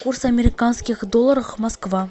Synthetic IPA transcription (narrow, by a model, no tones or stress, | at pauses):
kʰursamʲeɾʲikanskʲɪkd̪olˠːaɾəʁmaskvɑ